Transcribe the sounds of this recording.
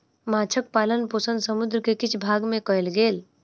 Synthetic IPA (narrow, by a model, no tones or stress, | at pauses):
mãːt͡ʃʰək̚paːlənpoːsə̃nd̪səmʊd̪ɾəkekɪt͡ʃʰbʱaːɡmẽkəjlɡeːl